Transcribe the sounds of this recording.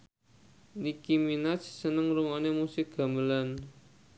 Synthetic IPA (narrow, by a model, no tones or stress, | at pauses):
nikiminat͡ʃsənəŋɾuŋanemusɪk̚ɡ̥a̤məlan